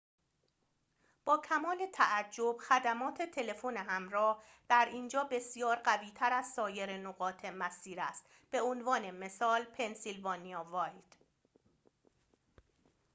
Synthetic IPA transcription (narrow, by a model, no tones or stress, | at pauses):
b̥ɒːcʰæmɒːle̞t̪ʰæʔæd͡ʒːo̞b̥xæd̪æmɒːt̪ʰet̪ʰe̞le̞foneɦæmɾɒːh | d̪̥æɾind͡ʒɒːbe̞sijɒːɾɢæviːt̪ʰæɾæzsɒːje̞ɾenoɣɒːt̪ʰe̞mæsiːɾæst̪ | b̥e̞onvɒːne̞me̞sɒːlpʰe̞nsilvɒːnijɒːvɒːjd̪̥